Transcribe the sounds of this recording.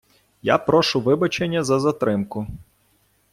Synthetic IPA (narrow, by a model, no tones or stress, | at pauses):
ja̰pɾɔʃʊʋɪbɐt͡ʃenʲːɐzɐzɐt̪ɾɪmkʊ